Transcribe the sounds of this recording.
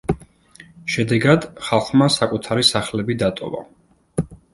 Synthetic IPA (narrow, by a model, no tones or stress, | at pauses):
ʃɛd̪ɛɡad̪̥χalˠχmasakʼut̪ʰaɾisaχlɛbid̪at̪ʼɔ̰va̰